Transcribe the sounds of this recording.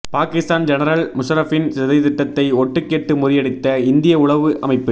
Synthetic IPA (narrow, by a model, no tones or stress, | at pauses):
paːkɪst̪aːnd͡ʒɛnɐɾɐlmʊʂɐɾɐfɪnsɛðɐɪjðɪʈːɐt̪ːɐɪɔʈːɯkːeːʈːɯmʊɾɪjɐɽɪt̪ːɐɪnd̪ɪjɐʊɭɐʋɯʔʔɐmɐɪpːɯ